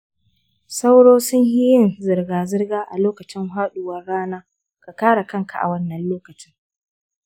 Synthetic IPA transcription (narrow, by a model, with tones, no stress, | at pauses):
sa˦wɽoː˦sʊ˦ɲhi˦jɪ˦˨nzɪ˨rɡaː˨zɪ˦rɡaː˦ʔa˨loː˦kɐ˨t͡ʃɪ˦ŋɦaː˦ɗʊ˨wɐ˦rɽaː˦naː˦ | ka˨kaː˦ɽa˨kɐ˦ŋka˨ʔa̰˨wɐ˦nːɐ˨nloː˦kɐ˨t͡ʃɪ˦ŋ